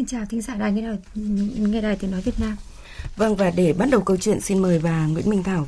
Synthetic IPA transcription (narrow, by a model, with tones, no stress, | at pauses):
i˧nt͡ɕaː˨˩wt̪ʰï˨˦ŋ̟zaː˧˩ɗaː˨˩jŋɛ˧˩ɗaː˨˩jŋɛ˧jɗaː˨˩jt̪ɨ˨˦nɔ˨˦vi˨˩ət̚naː˧m | və˧nvaː˨˩ɗe˧˩ɓaː˨˦˥n̚ɗə˨˩wkə˧wt͡ɕwḭ˧˨ənsi˧nməː˨˩jvaː˨˩ŋwḭ˧˥ənmï˧ŋ̟t̪ʰaː˧˩w